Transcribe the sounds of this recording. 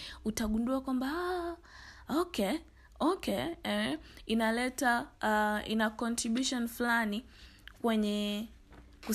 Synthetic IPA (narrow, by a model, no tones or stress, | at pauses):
utaɠunduakwamba | okɛ | ɔkɛɛinalɛta | ḭnakɔntɾiɓjuʃɔnflani | kwɛɲɛ | ku